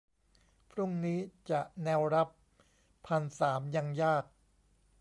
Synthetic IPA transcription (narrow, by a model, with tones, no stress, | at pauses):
pʰɾu˥˩ŋniː˦˥t͡ɕa˨˩ʔnɛː˧wɾa˦˥pʰː | a˧nsaː˩˦mja˧ŋjaː˥˩k̚